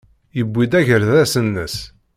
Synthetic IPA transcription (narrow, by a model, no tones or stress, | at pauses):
jəbʷːid̪æʝəɾðæsənːəs